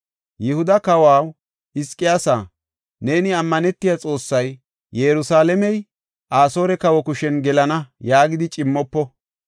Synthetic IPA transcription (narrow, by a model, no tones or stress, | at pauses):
jɛhʊd̪ɐkɐwaːw | ɪskʼːɪjaːsaː | ne̞ːnɪɐmːɐnɛt̪ːɪjat͡sʼo̞ːsːɐj | jɛɾʊsaːlɛmɛj | ʔaːso̞ːɾɛkɐwɔkʊʃɛnɡɛlɐnɐjaːɡɪd̪ɪt͡ʃʼɪmːɔpːɔ